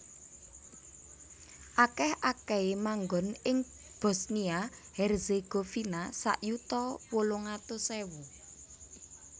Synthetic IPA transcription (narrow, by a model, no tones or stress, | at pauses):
ʔakɛhakɛemaŋɡɔnɪŋ | b̥ɔ̤sniahɛrzeɡ̥ofinasa̰ʔjut̪ɔwoloŋat̪osɛwu